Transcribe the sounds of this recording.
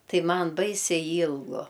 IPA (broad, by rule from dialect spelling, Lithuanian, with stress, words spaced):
ˈtɐɪ ˈmɐn ˈbɐɪsʲɛɪ ˈiːlˠɡʊ